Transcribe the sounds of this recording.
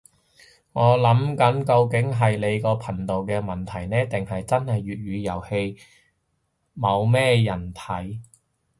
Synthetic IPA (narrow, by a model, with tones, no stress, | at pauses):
ŋɔː˨˧lɐ˨˥mkɐ˨˥nkɐ˧wkɪ˨˥ŋɦɐ˨jle˨˧jkɔː˧pʰɐ˨˩nt̪o˨wkɛː˧mɐ˨˩nt̪ʰɐ˨˩jnɛː˥t̪ɪ˨ŋhɐ˨jt͡sɐ˥nhɐ˨jːyː˨t̚ɥyː˨˧jɐ˨˩whe˧j | mɐ˨˧wmɛː˥jɐ˨˩nt̪ʰɐ˨˥j